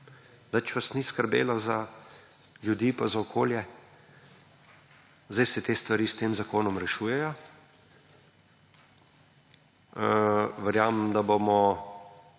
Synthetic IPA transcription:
nɛt͡ʃʋasniskəɾbḛːlaza | ljud̪iːpazaokʰoːljɛ | zd̪ajsɛt̪eːst̪ʋaɾiːst̪eːmzakoːnɔmɾɛʃuːjɛjɔ | ʋɛɾjaːmmd̪abomɔ

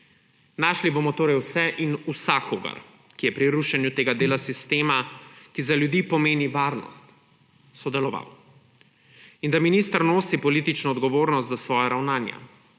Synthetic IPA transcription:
naːʃliboːmɔt̪oːɾɛjwsɛʔinusaxoːɡa̰ɾ | kijɛpɾiɾuʃɛnjut̪eːɡad̪eːlasist̪eːmakizaljud̪iːpɔmeːniʋaːɾnɔ̰st̪ | sɔd̪ɛlɔʋa̰w | ind̪aminiːst̪əɾnoːsipɔliːt̪it͡ʃnɔɔd̪ɡɔʋoːɾnɔst̪zasʋɔːjaɾawnaːnja̰

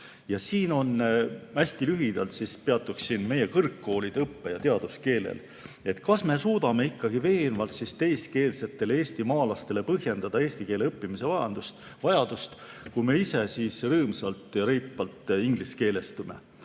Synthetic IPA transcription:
jɑsiːno̞næsʲt̪ilyɦid̪̥ɑlt̪sispeɑt̪ːˑuksinme̞je̞kɤrkːo̞ːlid̪̥eɤpːejɑt̪eɑd̪̥uske̞ːlḛl | e̞t̪kɑsme̞suːd̪̥ɑme̞ikːɑɡ̥ive̞ːnvɑlt̪sist̪e̞jske̞ːlse̞t̪ːˑe̞leeːst̪imɑːlɑst̪e̞le̞pɤɦje̞nd̪ɑd̪̥ɑe̞ːsʲt̪ike̞ːleɤpːimise̞vɑjɑnd̪̥ust̪ | vɑjɑd̪̥ust̪kujme̞ise̞siːsrɤːmsɑlt̪ˑjɑɾejpːɑlt̪ːˑiŋɡ̥liske̞ːle̞st̪ume̞̰

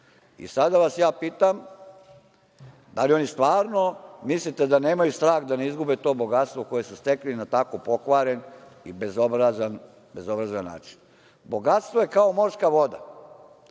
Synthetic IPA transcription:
ḭsad̪aʋasjaːpiːt̪am | d̪alio̞nist̪ʋaːɾnomislit̪e̞d̪ane̞ːmajust̪ɾaːɣd̪aneizɡubet̪o̞ːbo̞ɡat̪st̪ʋo̞ko̞jesust̪e̞klinat̪akopo̞kʋaːɾe̞nibezobɾazan | be̞zo̞bɾazanːa̰ːt͡ʃi̥n | bo̞ɡat̪st̪ʋoje̞kao̞mo̞ɾskaʋo̞d̪a

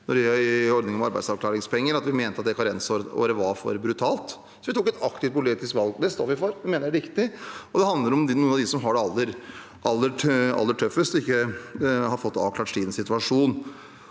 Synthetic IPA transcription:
nɔɖɪœɔɾd̪nɪŋɔmɑɾbæɪsɑʋkʰlɑːɾɪŋspɛŋːəɾɑt̪ʋɪmeːnt̪əɑt̪̚d̪ɛkʰɑnɾɛnsoo̰ːɾəʋɑɾfɔ̰ɾbɾʉt̪ʰɑːlt̪ | sɔʋɪt̪ʰuːkːɛt̪ʰɑkt̪ɪft̪̚pʰʊlɪst̪ɪskʋɑlɡd̪ɛst̪o̰ːʋɪfɔɾʋmeːnəɾɛɾɪkt̪ɪɔd̪ɛhɑnd̪ləɾɔmnuːəɑʋd̪ɪsɔmɦɑɖɛɑlːəɾ | ʔɑlːəɑ̰lːəʈʰœfːəst̪ɪkːəhɑɾfɔt̪ːɑ̰ːʋklɑːʈʂiːd̪n̩sɪt̪ʉɑʂuːn

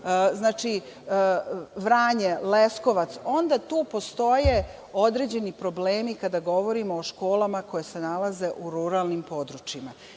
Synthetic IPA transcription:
znaːt͡ʃi | ʋɾaːɲelesko̞ʋat̪so̞nd̪at̪uːpost̪o̞je | o̞d̪ɾe̞d͡ʑe̞nipɾo̞bleːmikad̪aɡo̞ʋo̞ɾimoːʃko̞ːlamako̞jese̞nalaze̞ʔuɾuɾalnimpo̞d̪ɾut͡ʃima

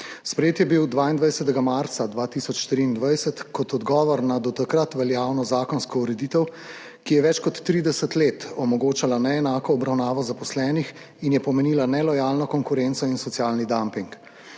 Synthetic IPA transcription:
spɾɛjeːt̪jɛbiwd̪ʋaːind̪ʋajsɛt̪ɛɡamaɾt̪sad̪ʋaːt̪isɔt͡ʃʃt̪ɾiːnd̪ʋajsət̪kɔt̪ɔd̪ɡɔːʋɔɾnad̪ɔt̪akɾat̪ʋɛljaːwnɔzaːkɔnskɔuɾɛd̪iːt̪ɛw | kijɛʋɛt͡ʃkɔt̪ːɾiːd̪ɛsət̪leːt̪ɔmɔɡoːt͡ʃalanɛɛnaːkɔːbɾawnaːʋɔzapɔslɛːnix | injɛpɔmɛniːlanɛlɔjaːlnɔkɔŋkuɾent̪sɔinsɔt̪sijaːlnid̪ampiŋk

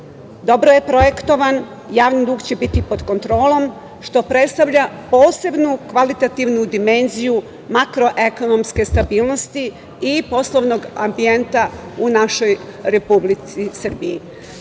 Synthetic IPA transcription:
d̪o̞bɾoje̞pɾo̞je̞kt̪o̞ʋan | jaːʋnid̪uːɡt͡ɕe̞bit̪ipo̞d̪̥ko̞nt̪ɾo̞ːlˠo̞m | ʃt̪o̞pɾe̞t̪st̪aʋʎapo̞ːse̞bnukʋalit̪at̪iʋnud̪ime̞nziju | makɾo̞ʔe̞ko̞no̞mske̞st̪abiːlˠno̞st̪i | ipo̞slˠoʋno̞ɡambie̞nt̪aunaʃo̞jɾe̞publit̪sisrbii

